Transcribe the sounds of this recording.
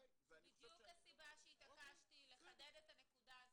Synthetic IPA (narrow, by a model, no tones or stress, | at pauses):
zbid̪juklesibaʃeit̪akaʃt̪ile̞χad̪ed̪etane̞kud̪az